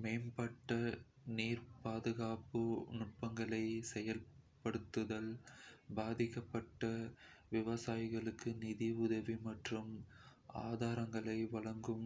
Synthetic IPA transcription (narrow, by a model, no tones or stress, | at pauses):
mɛɪmbɐʈːɐ | niːɾpaːðɯɣaːpɯnʊʈ̚pɐŋɡɐɭɐɪsɛjɐlpɐɽɯt̪ːɯðɐlbaːðɪkːɐpːɐʈːɐʋɪʋɐsaːjɪɣɐɭɯkːɯnɪðiʊðɐʋimɐʈrɯm | aːðaːɾɐŋɡɐɭɐɪʋɐɭɐŋɡɯm